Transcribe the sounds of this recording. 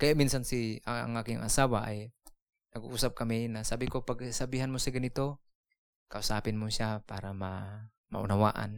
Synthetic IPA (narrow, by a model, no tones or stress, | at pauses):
kajaminsansiaa̰ŋakiŋa̰sawaʔa̰j | naɡuʔusap̚kaminasabikopaɡsabiɦanmusaɡanit̪o | kausapinmusiapaɾama | ma̰ṵnawa̰ʔa̰n